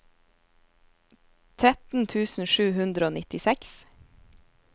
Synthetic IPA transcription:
t̪ʰɾɛt̪n̩t̪ʰʉːsn̩ʃʉːhʉnd̪ɾəoːnɪt̪ɪsɛks

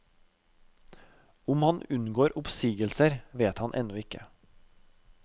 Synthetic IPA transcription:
ʊmhɑnʉnɡoːɾʔʊpsiːɡəlsəɾʋeːt̪hɑnʔɛ̰nɔɪkə̰

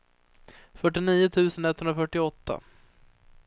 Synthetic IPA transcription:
fœʈːɪniːʊt̪ʰʉ̟ːsənɛt̪ʰːhɵnɾafœʈːɪɔt̪ʰːa̰

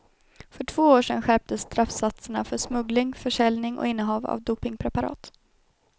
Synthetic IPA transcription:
fœʈʰv̥oːoːʂɛnɧæɾp̚t̪əsːt̪ɾafsat̪səɳa̰fœʂmɵɡlɪŋfœʂɛlnɪŋʔɔ̰ɪnːəɦɑːva̰vd̪uːpɪŋpʰɾɛpaɾɑ̰ːt̪

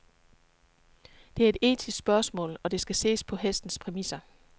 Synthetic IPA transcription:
d̥e̝æɐe̝d̥e̝̰ːt͡sʰissb̥ɶɐsmɔ̰̽ːlɒ̽d̥e̝sɡ̥æse̝̰ːspʰɒ̽ɦesd̥n̩spʰʁɛmisɐ

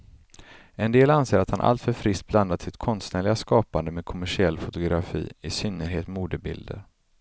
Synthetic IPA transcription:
ɛnd̪eːlanseːɾat̪hanʔa̰lt̪fœɾfɾɪst̪̚bland̪asɪt̪kʰɔnst̪næːɭɪɡaskɑːpand̪əmeːd̪̚kʰʊmæʂɪɛlːfʊt̪ʊɡɾafḭːɪsʏnːəɾɦeːt̪muːd̪əbɪ̰ld̪ə̰ɾ

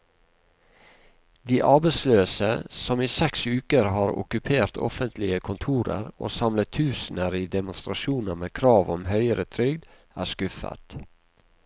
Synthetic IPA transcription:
d̪iːʔɑːbæɪsløːsəsɔmiːsɛksʉːkəɾhɑːɾʊ̰kʉpʰeːɾt̪ʰɔ̰fənt̪ʰlɪəkʰʊnt̪ʰuːɾə̰ɾo̰ːsɑmlət̪ʰʉːsn̩əɾiːd̪ɛmʊnst̪ɾɑʃuːnəmeːkʰɾɑːʋɔmhœʏəɾət̪ʰɾʏɡd̪ | ʔæːskʉfə̰t̪

